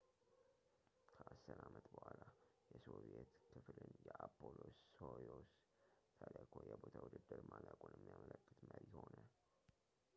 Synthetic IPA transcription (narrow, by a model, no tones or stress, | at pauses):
kʰəʔasːɨɾamət̪bəhʷalajɛsovjet̪kʰɨflɨnjɛʔapʰːolosojos | t̪ʰalakʰojɛbot̪ʰawud̪ɨd̪ɨɾmalakʼonɛmːijamələkʼːɨt̪məɾiho̞nə